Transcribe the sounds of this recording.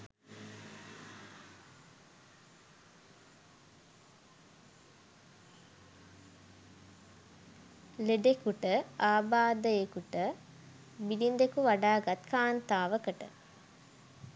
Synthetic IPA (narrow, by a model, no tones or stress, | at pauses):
leɖekuʈəaːbaːd̪əjekuʈə | bilind̪ekuʋaɖaːɡat̪kaːnt̪aːʋəkəʈə̰